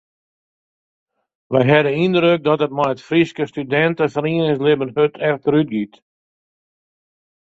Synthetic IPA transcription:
ʋɛjɦɛdənindɾøk̚dɔtət̚mɛjətfriskəstydɛntəfriənɪŋslɪbənhøtʰɛftəryt̚ɡit

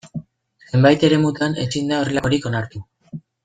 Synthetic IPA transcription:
se̞mbajt̪e̞ɾe̞mut̪ane̞̰sind̪ao̞relaoɾiko̞naɾt̪u

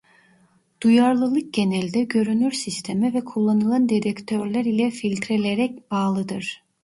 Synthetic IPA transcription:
d̪̥ujaɾlˠɯlˠɯk̚ɟe̞nɛlʲd̪ɛɟø̞ɾynyɾsist̪ʰemivɛkʰulˠːanɯlˠand̪ed̪ɛct̪ʰøɾlʲæɾilʲɛfilʲt̪ʰɾelʲeɾɛc̚b̥aːlˠɯd̪ɯɾ̥

